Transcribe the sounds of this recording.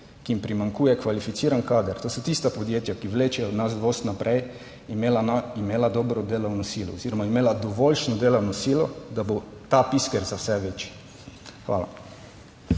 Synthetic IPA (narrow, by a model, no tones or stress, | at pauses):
kiimpɾimaŋkuːjɛkʋalifit̪siːɾankaːd̪aɾt̪oːsot̪ist̪apod̪jeːt̪jakiʋleːt͡ʃjɛod̪nasd̪ʋost̪napɾʔɛj | imelaaimeːlad̪oːbɾɔd̪eːlawnosiːlɔ̰oziːɾɔmaimeːlad̪ɔʋolʃnɔd̪eːlawnɔsiːlɔd̪abot̪apiskɛɾzawsɛʋet͡ʃi̥ | xʋa̰ːla̰